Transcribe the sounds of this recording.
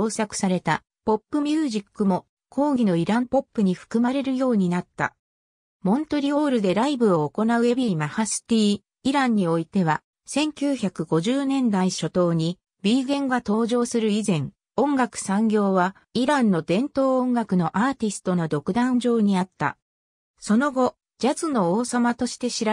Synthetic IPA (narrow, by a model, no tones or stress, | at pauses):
oːsakɯ̟̥saɾe̞t̪a | po̞pːɯ̟mʲjɨːʑikːɯ̟mo̞ | kʰo̞ːɡʲino̞iɾãmpo̞pːɯɲ̟iɸɯ̟̥kɯ̟maɾe̞ɾɯ̟jo̞ːɲ̟inat̪ːa̰ | mõ̞nt̪o̞ɾʲio̞ːɾɯ̟d̪e̞ɾaibɯ̟o̞ːko̞naɯ̟ebʲimahasɨ̥t̪ʲiː | iɾãɲ̟ːio̞it̪e̞βa | sẽ̞ŋkʲɨːçakɯ̟ɡo̞ʑɨːnẽ̞nd̪aiɕo̞t̪o̞ːɲ̟i | bʲiːɡẽ̞ŋɡat̪o̞ːʑo̞ːsɨɾɯ̟izẽ̞ŋ | õ̞ŋɡakɯ̟̥sãŋɡʲo̞ːβa | iɾãnːo̞d̪ẽ̞nt̪o̞ːõŋɡakɯ̟no̞ʔaːt̪ʲisɨ̥t̪o̞no̞d̪o̞kɯ̟d̪ãɲd͡ʑo̞ːɲ̟iat̪ːa̰ | so̞no̞ɡo̞ | d͡ʑat͡sɨno̞oːsamat̪o̞ɕi̥t̪e̞ɕiɾa